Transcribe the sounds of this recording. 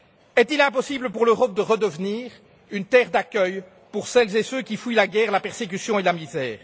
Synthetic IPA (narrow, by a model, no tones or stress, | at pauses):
ɛt̪ilɛ̃pɔsibləpuʁløʁɔp̚d̪əʁəd̪əvniːʁ | ynt̪ɛʁd̪akʲœj | puʁsɛlzesøkʲifujlaɡʲɛːʁlapɛʁsek̬ysjɔ̃elamizɛːʁ